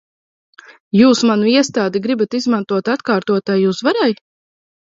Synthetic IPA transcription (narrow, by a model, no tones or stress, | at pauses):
juːsmanuiɛst̪aːd̪iɡɾibat̪izmant̪uɔt̪at̪kaːɾt̪uɔt̪ajuːsvaɾaj